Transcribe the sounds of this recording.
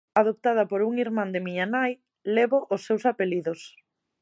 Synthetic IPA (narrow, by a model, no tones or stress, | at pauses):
aðop̚t̪að̞ɐpoɾuŋiɾmãnd̪ɪmiɲanaj | leβoʔʊsːewsapeliðʊs